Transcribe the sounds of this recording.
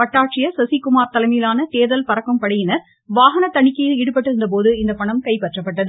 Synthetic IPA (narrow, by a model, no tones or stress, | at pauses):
pɐʈːaːʈ̚t͡ʃɪjɐsɐsikːʊmaːɾt̪ɐlɐmiːlaːnɐt̪eːðɐlpɐɾɐkːɐmpɐɽɐjɪnɐɾ | ʋaːɦɐnɐt̪ɐɳɪkːɐjɪlɪɽɯp̬ːɐʈːɯɾɯnd̪ɐp̬oːðɯɪnd̪ɐpɐɳɐmkɐɪpɛʈrɐpːɐʈːɐðɯ